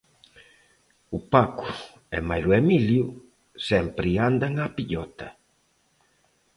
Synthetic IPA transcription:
upaku̥ | ɛmajluemilju | sɛmpɾiand̪aŋapiʎɔt̪a

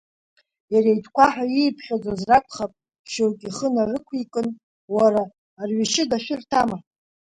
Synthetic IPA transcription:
jaɾejtʰkʷaħaijpʰχʲad͡zazrakʷʰʼχapʼ | ʃowkʲʼiχənarɨkʷʰikʼɨn | waɾaː | rɥiʃɪɡaʃᶣɪrtʰama

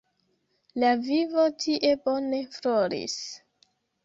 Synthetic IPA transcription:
lavivo̞tʰiʔe̞bone̞floɾḭs

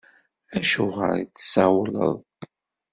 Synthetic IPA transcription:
æʃuʁə̰ɾit͡sːsawlə̰ðˤ

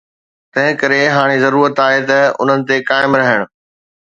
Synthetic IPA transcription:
t̪ɐ̃ɦɪ̃kɐɾeɦaːɽ̃ezɐɾuːɾət̪aːɦet̪ɐʊ̰n̤ənɪ̆t̪ekaːɪmɾɐɦəɽ̃ʊ̆

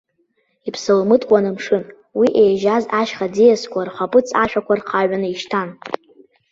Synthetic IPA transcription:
ipʰsɨlmɨtʼkʷʼanɨmʂɨn | wiʔejʒazaʃχad͡zijaskʷʰʼarχʷapʼɨt͡sʰʼaʃᶣakʷʰarqʰaɥʷanɨiʃtʰan

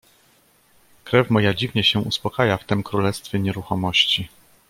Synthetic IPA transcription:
kɾɛfmɔjad͡ʑivɲɛɕɛuspɔkajaft̪ɛmkɾulɛst̪fʲjɛɲɛɾuxɔmɔɕt͡ɕi

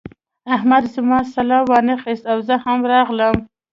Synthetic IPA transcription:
ahmad̪zəmɑsalɑwɑnəxist̪awzəhamɾɑɣləm

